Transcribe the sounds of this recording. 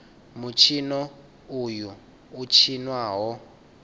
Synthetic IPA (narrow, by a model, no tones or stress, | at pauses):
mut͡ʃʰinɔ | ujuː | t͡ʃʰinwaɦɔ